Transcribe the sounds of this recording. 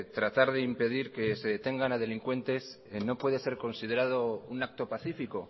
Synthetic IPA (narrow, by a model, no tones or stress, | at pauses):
t̪ɾat̪aɾðe̞impe̞ð̞iɾke̞se̞ðet̪e̞ŋɡanað̞e̞liŋkwe̞nt̪e̞s | no̞pwe̞ð̞e̞se̞ɾko̞nsið̞e̞ɾað̞o̞unak̚t̪o̞paθifiko̞